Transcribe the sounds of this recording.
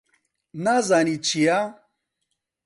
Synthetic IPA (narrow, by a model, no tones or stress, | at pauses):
nazanit͡ʃʰija